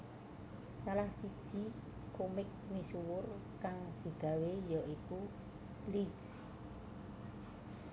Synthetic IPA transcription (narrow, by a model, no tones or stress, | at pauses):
salahsid̥ʒ̥i̤ | komɪk̚nisuwʊrkaŋd̪̥i̤ɡ̥a̤wejɔʔiku | b̥liɡs